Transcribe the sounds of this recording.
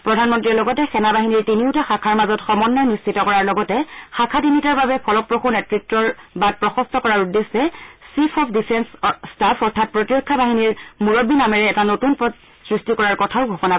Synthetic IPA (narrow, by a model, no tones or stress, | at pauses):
pɹɔdʱanmɔntɹilɔɡɔtɛxɛnabaɦiniɹtiniʊtaxakʰaɹmazɔtxɔmɔnːɔjnist͡ʃʰitɔkɔɹaɹlɔɡɔtɛxakʰatimitaɹbabɛpʰɔlɔpɹoxunɛtɹitɹɔɹbad̚pɹɔxɔstɔkɔɹaɹudːeszɛsipʰɔpʰdipʰɛnsːtapʰɔɹtʰat̚pɹotiɹɔkʰːabaɦiniɹmuɹobːinamɛɹɛːtanotunpɔ | sɹistikɔɹaɹkɔtʰaʊɡʱɔkɔna